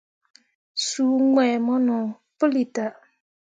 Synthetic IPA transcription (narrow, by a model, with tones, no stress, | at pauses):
suː˨ŋwɛː˨mɔ˦nɔ̃˨ | pɨ˦li˨ta˨